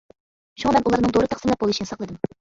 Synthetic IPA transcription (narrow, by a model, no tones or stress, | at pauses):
ʃuŋɑmɛnʔulˠɑɾnɨŋd̪oɾɨt̪ɑqsmlʲˠɛp̚bolˠuʃinɨsɑqlˠɨd̪ɨm